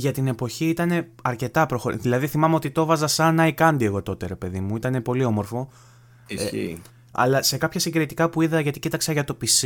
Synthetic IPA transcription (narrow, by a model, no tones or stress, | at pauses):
ʝɐt̪ine̞po̞çiit̪ɐne̞ɐɾce̞t̪ɐpɾo̞xo̞ɾðilɐðiθimɐmeo̞t̪it̪o̞vɐzɐsɐnɐikɐnd̪ie̞ɣo̞t̪o̞t̪e̞ɾe̞pe̞ðimuit̪ɐne̞po̞lio̞mo̞ɾfo̞ | ɐ̰lɐse̞kɐpçɐsiŋɡɾit̪ikɐpuiðɐʝɐt̪icit̪ɐksɐʝɐt̪o̞pis